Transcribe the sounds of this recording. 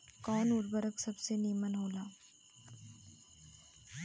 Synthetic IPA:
kɔːnʊɾbəɾəksɐbseniːmənɦoːlaː

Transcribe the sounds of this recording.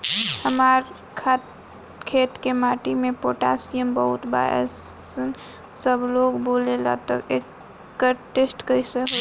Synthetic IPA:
həmaːɾ | kʰat̪ | kʰeːt̪kemaːʈimẽpoːʈaːsijəmbəɦʊt̪ba̰ːjə̰s | səbloːɡboːlela̰t̪əeːkː | əɾʈesʈkəise

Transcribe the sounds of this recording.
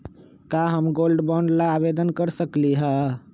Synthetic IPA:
kaɦəmɡolɖbɔɳɖlaːbed̪ənkəɾsəkliɦa

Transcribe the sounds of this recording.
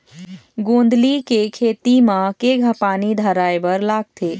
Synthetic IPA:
ɡõːnd̪likekʰeːt̪imãkeɡʱəpaːnid̪ʱaɾaːebəɾlaːɡ̚t̪ʰeː

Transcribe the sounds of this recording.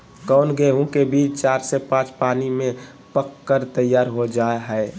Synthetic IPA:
kəʊnɡeɦũkebiːt͡ʃt͡ʃaːɾsepãːt͡ʃpaːnimẽ | pəkːəɾt̪əjːaːɾɦod͡ʒaːeɦɛɪ

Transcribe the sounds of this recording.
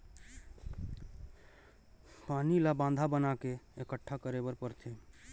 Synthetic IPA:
panilabãnd̪ʱabənakeekəʈʰːakəɾebəɾpəɾt̪ʰe

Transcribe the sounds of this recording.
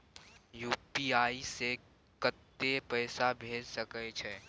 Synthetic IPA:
juːpiːaːise | kət̪ːepɛːsabʱeːd͡ʒsəkət͡ʃʰɛː

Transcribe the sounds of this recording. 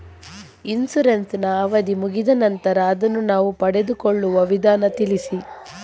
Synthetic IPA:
insuɾensnɐːʋɐd̪imuɡid̪ɐnɐnt̪ɐɾɐːd̪ɐnːunaːʋupɐɽed̪ukoɭːuʋɐʋid̪ʱaːnɐt̪ilisi

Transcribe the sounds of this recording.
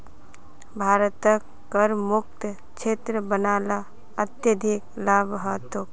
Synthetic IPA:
bʱaːɾt̪əkːəɾmʊk̚t̪ | t͡ʃʰeːt̪ɾəbənaːla | ət̪jəd̪ʱiklaːbɦət̪o

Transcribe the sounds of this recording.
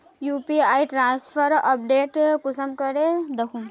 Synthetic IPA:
jupiajʈɾãːnspʰəɾəp̚ɖeːʈkusəmkəɾed̪əkʰũm

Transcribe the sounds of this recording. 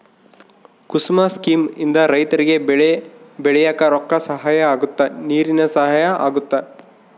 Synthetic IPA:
kusmaskiːmind̪ɐɾɐjt̪ɐɾiɡe̞ | bɛɭɛjaːkɐɾɔkːɐsɐɦaːjɐaːɡut̪ːɐniːɾinɐsɐɦaːjɐa̰ːɡut̪ːa

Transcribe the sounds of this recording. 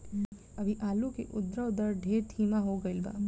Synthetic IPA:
ɐbʱiʔaːlõkḛʔʊd̪ɾəʊd̪əɾɖʱeːɾt̪ʰiːmaɦoɡəɪlba̰ː

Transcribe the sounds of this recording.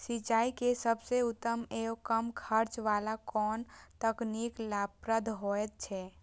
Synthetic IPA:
sit͡ʃaːikesəbseut̪ːəmeːokəmkʰəɾt͡ʃʋalakɔːnt̪əkniklapɾəd̪ʱɦoɛt̪̚t͡ʃʰɛ

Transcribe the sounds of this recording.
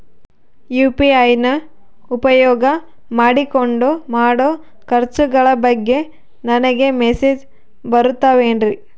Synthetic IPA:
juːpiɐjnɐ | upɐjɔːɡɐ | maːɽikoɳɖumaːɽoː | kɐɾt͡ʃuɡɐɭɐbɐɡːe̞ | nɐnɐɡe̞meseːd͡ʒ | bɐɾut̪ːaʋeːɳɾi

